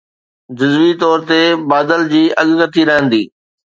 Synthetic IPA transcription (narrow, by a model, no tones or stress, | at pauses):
d͡ʑʊzʋit̪ɔːɾt̪ebaːd̪əld͡ʑiːʔɐɠkət̪ʰiɾɐɦə̃nd̪iː